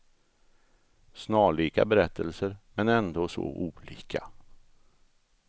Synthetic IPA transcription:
snɑːɭiːka̰bɛɾɛt̪ʰːəlsəɾmɛnɛnd̪oːso̰ʔuːliːkʰa

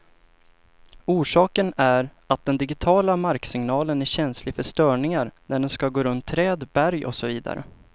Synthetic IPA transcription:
uːʂɑːkənæɾ | at̪̚d̪ɛnd̪ɪɡɪt̪ʰɑːlamaɾksɪŋnɑːlənæɕɛnslɪfœʂt̪œːɳɪŋaɾnæɖɛnskaɡoːɾɵnt̪ʰːɾɛːd̪bæɾjɔ̰sɔviːd̪a̰ɾə̰

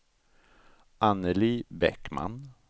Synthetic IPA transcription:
ʔanəliːbɛkma̰n

